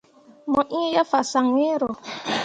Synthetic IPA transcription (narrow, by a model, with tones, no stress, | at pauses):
mɔ˨ʔĩ˦jə˦fa˨sa˨ŋwe˦ɾɔ˨